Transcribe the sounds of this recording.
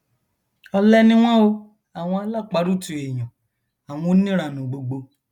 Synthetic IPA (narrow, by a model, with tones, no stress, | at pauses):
ɔ˧lɛ˦nĩ˦w̃ɔ̃˦o˧ | a˨w̃ɔ̃˧a˧la˦˨k͡pa˨˧˦ɾu˦tũ˨e˨j̃ɔ̃˨ | a˨w̃ɔ̃˧o˦nĩ˦ɾa˨nũ˨ɡ͡bo˨ɡ͡bo˧